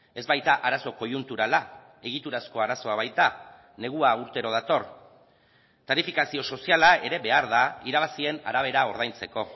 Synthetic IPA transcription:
e̞zβajt̪aʔaɾaso̞ko̞junt̪uɾala | e̞ɣ̞it̪uɾasko̞aɾaso̞aβ̞ajt̪a | ne̞ɣ̞uauɾt̪e̞ɾo̞ð̞at̪o̞r | t̪aɾifikasio̞so̞sialae̞ɾe̞βe̞aɾðaiɾaβasie̞na̰ɾaβ̞e̞ɾao̞ɾð̞ajnt͡se̞ko̞

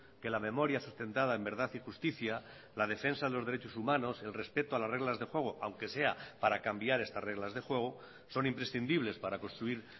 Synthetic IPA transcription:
ke̞lamẽ̞mo̞ɾjasust̪e̞nt̪að̞aembe̞ɾðaθixust̪iθja | lað̞e̞fe̞nsaðe̞lo̞zðe̞ɾe̞t͡ʃo̞sumãno̞se̞lre̞spe̞t̪oalazre̞ɣlazðe̞xwe̞ɣ̞oʔawŋke̞se̞apaɾakambjaɾe̞st̪azre̞ɣ̞lazðe̞xwe̞ɣ̞o | so̞nimpɾe̞sθind̪iβle̞spaɾakonst̪ɾuiɾ

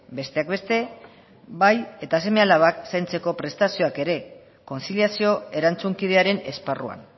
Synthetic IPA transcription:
be̞st̪e̞akbe̞st̪e̞ | βaje̞t̪as̬e̞me̞alaβaksajnt͡se̞ko̞pɾe̞st̪asio̞ake̞ɾe̞ | ko̞nsiliasio̞e̞ɾant͡suŋkið̞e̞aɾe̞ne̞sparua̰n

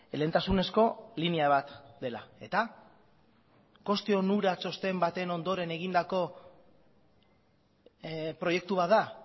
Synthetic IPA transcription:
lent̪asune̞sko̞liniaβat̪d̪e̞lae̞t̪a | ko̞st̪io̞nuɾat͡so̞st̪e̞mbat̪eno̞nd̪o̞ɾe̞ne̞ɣ̞ind̪ako̞ | pɾo̞je̞k̚t̪uβ̞at̪d̪a

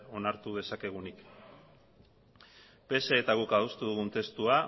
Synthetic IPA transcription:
o̞naɾt̪uð̞e̞sake̞ɣ̞unik | pe̞seːt̪aɣukaðust̪uðuɣunt̪e̞st̪ua

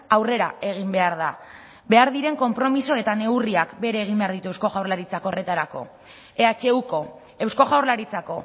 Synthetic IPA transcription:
awre̞ɾae̞ɣ̞imbe̞aɾða | be̞aɾðiɾe̞ŋko̞mpɾo̞miso̞e̞t̪ane̞uriakbe̞ɾe̞ːɣ̞imbe̞aɾðit̪ue̞wsko̞ɣʝawɾlaɾit͡sako̞re̞t̪aɾako̞̰ | e̞at͡ʃe̞uko̞ | e̞wsko̞ʝawɾlaɾit͡sako̞

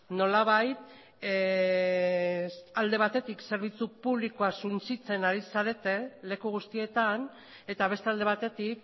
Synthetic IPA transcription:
no̞laβajt̪ | ald̪e̞βat̪e̞t̪ikse̞ɾβ̞it͡supuβ̞liko̞asunt͡sit͡se̞naɾisaɾe̞t̪e̞le̞kuɣ̞ust̪ie̞t̪an | e̞t̪aβ̞e̞st̪eald̪e̞βat̪e̞t̪ik

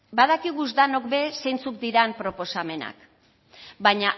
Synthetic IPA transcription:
bað̞akiɣuzd̪ano̞kbe̞sejnt͡suk̚d̪iɾampɾo̞po̞same̞na̰k | baɲa

